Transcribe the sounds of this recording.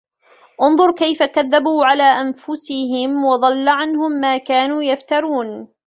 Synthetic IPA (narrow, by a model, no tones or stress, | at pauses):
ʔʊnðˤʊɾˤkajfakaðːabuːʕalaːʔanfʊsɪɦɪmwɑðˤɑlːaʕanhʊmːaːkaːnuːjaft̪ɑɾˤuːn